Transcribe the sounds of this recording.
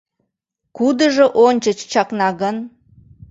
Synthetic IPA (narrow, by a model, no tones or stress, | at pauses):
kud̪əʒə̆ʔonʲt͡ɕət͡ɕt͡ɕɑknɑɣən